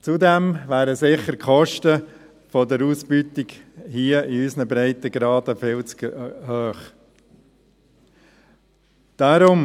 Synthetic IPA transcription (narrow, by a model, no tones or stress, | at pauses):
t͡sud̪ɛmʋæːɾəsɪχːəɾkʰɔʃtə | fɔdəɾuːsbyt̪ɪɡhiəʔiysnəbɾæɪt̪əɡɾɑːd̥̪əfɪlt͡skhøːχ | d̥ɑɾʊm